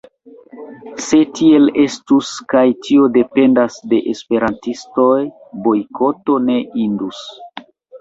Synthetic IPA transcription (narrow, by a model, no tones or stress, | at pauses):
se̞tie̞le̞stuskajtio̞de̞pe̞ndasde̞ʔespe̞ɾantisto̞j | bo̞jkʰo̞to̞ne̞ʔindus